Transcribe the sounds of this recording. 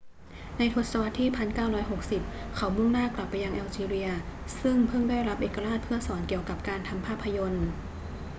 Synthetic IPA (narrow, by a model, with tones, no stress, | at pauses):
na˧jt̪ʰo˧˦˥t̪̚sa˧wa˦˥t̪ʰːiː˥˩pʰa˧nkaː˥˩wɾɔː˦˥jɦo˨˩k̚si˨˩p̚kʰa˩˦wmu˥˩ŋnaː˥˩kla˨˩pːa˧jːa˧ŋʔɛː˧wt͡ɕiː˧ɾi˧ɐsɯ˥˩ŋpʰɤ˥˩ŋdaː˥˩jɾa˦˥p̚ʔeː˨˩kːa˧ɾaː˥˩t̪̚pʰɯ˥˩ɐsɔː˩˦nki˨˩əwka˨˩p̚kaː˧nt̪ʰa˧mpʰaː˥˩pʰːa˧jo˧n